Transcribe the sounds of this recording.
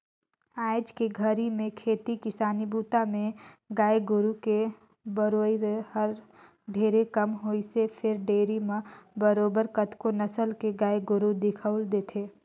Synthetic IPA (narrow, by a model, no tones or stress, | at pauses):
aːɪd͡ʒkeɡʱəɾimẽkʰeːt̪ikɪsaːnibuːt̪amẽɡaːjɡʊɾuke | bəɾoːiɾɦəɾ | ɖʱeːɾekəmɦoːisepʰɪɾɖeːɾimẽbəɾoːbəɾkət̪ʰkonəsəlkeɡaːjɡʊɾud̪ɪkʰəʊld̪eːt̪ʰeː